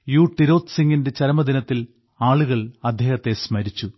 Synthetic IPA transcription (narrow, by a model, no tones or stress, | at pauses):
juːʈːiɾo̞ːt̪siŋɡinde̞t͡ɕɐɾɐmɐd̪inɐt̪ːil | aːɭuɣɐɭɐd̪ʱjeːhɐt̪ːe̞smɐɾit͡ɕːu